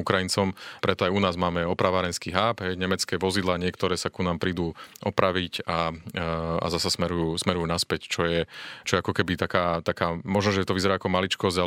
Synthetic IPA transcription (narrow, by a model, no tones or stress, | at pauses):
ukɾajint͡sɔmpɾɛt̪ɔajunaːzmaːmɛɔpɾaʋaɾɛnskiːɦaːbɦɛjɲɛmɛt͡skɛːʋɔzid̪laːɲɪɛkt̪ɔɾɛːsakunaːmpɾiːd̪uːʔɔpɾaʋica | a̰zasasmɛɾujuːsmɛɾujuːnaspɛct͡ʃɔjɛt͡ʃɔjɛakɔkɛbit̪akaːt̪akaːmɔʒnɔʒɛt̪ɔʋizɛɾaːakɔmalit͡ʃkɔzɟa